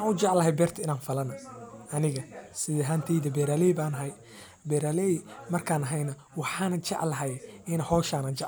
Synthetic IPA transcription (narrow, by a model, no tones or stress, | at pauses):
wɑːnʊt͡ʃɑʕlɐɦɛjbɛːrt̪ʰɐɪnaːnfɐlɐnɐʔɐnɪɣɐsɪðɛɦaːnt̪ʰɛjðɐbɛːɾaːlɛbaːnɐɦɐj | bɛːɾaːlɛimɐrkʰaːnɐɦɛjnɐ | wɑħɑːnɐt͡ʃɑ̰ʕlɐɦɛjɪnɐhɔːʃaːnɐt͡ʃɑʕ